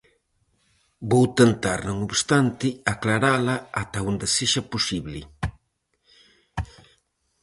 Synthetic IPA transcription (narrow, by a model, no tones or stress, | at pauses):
bowt̪ent̪aɾnõŋoβst̪ant̪ɪaklaɾalaat̪aund̪eseʃapusiβlɪ̰